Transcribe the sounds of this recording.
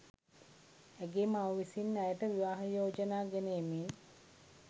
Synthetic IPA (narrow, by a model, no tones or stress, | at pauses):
æɡemaəʋisinːajəʈəʋiʋaːɦəjoːd͡ʒənaːɡɛnejemin